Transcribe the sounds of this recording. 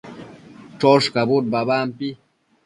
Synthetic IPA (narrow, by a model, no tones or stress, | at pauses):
ʈ͡ʂoʂkabut̪̚baβaːmpi